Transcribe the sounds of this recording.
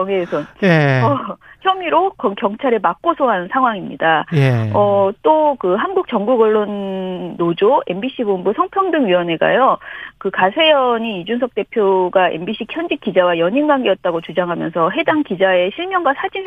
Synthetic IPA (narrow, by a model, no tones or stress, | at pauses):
ʌŋeːsʰʌʌçʰjʌmiɾokʌŋkjʌŋt͡ɕʰaɾemak̚k͈osʰoɦannsʰaŋɦwaŋimɲḭdaʌt͈okɯɦanɡuk̚t͡ɕ͈ʌŋɡuɡʌɭːonːod͡ʑoembiɕ͈ʰiɡonbusʰʌŋpʰjʌŋdɯŋɥiwʌne̞ɡa̰jokɯkasʰe̞jʌɲiːd͡ʑunsʰʌk̚t͈e̞pʰjoɡaʔḛmbiɕʰikʰjʌnd͡ʑik͈id͡ʑawajʌɲinɡaŋɡiʌt̚t͈aɡot͡ɕud͡ʑaŋɦamjʌnsʰʌɦe̞daŋkid͡ʑae̞ɕʰiɭmjʌŋɡasʰad͡ʑi